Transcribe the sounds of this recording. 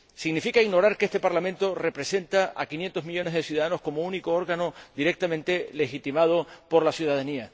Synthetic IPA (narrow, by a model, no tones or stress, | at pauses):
siɣnifikaiɣno̞ɾaɾkeest̪e̞paɾlamẽnt̪o̞re̞pɾe̞se̞nt̪aʔakinje̞nt̪o̞ɦmiʎo̞neɦðe̞sjuðaðano̞sko̞mouniko̞o̞ɾɣano̞d̪iɾe̞k̚t̪amẽ̞nt̪e̞le̞xit̪imað̞o̞po̞ɾlasjuðaðania